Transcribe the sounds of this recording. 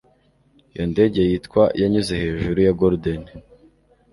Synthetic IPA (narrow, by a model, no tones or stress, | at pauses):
jo̰nde̞ɟe̞jitkwajaɲuze̞he̞ːʒuɾujaɡoɾdon